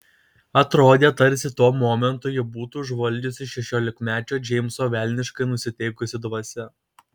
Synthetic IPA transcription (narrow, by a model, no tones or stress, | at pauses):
ɐt̪ɾoːd̪ʲeːt̪ɐɾʲsʲɪt̪oːmoːmʲɛnt̪ʊːjʊbuːt̪uːʒʋɐlʲd͡ʒʲʊsʲɪʃʲɛʃʲoːlʲɪkmʲæːt͡ʃʲoːd͡ʒʲɛɪmsoːʋʲɛˑlʲnʲɪʃkɐɪnʊsʲɪt̪ʲɛɪkʊsʲɪd̪ʋɐsʲɛ